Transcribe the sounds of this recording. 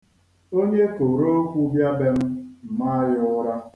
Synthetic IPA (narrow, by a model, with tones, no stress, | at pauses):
o˦ɲe˦ko˨ɾo˦o˦kʷu˦bja˦be˦m̩˦m̩˨ma˦jɪ˦ʊ˦ɾa˦